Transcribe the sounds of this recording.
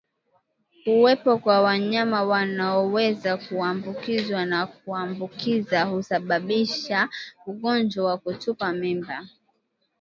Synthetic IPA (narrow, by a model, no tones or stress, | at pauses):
kuwɛpɔkwawaɲamawanaɔwɛzakuambukizwanak̚uambukizahusaɓaɓiʃauɠɔnd͡ʒwawakutupamimba